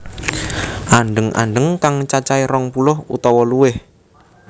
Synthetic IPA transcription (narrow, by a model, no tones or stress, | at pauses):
ʔaɳɖəŋʔa̰ɳɖəŋkaŋt͡ʃat͡ʃaiɾɔŋpulʊhṵt̪ɔwɔluwɪh